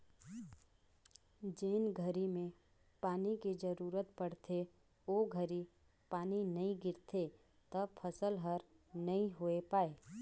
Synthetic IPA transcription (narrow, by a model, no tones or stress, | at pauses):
d͡ʒeːnɡʱəɾimẽ | paːnikid͡ʒəɾuːɾət̪pəɽ̤t̪ʰe | oɡʱəɾi | paːninɐĩɡɪɾt̪ʰe | t̪əbpʰəsəlɦəɾnɐĩɦoepaːeː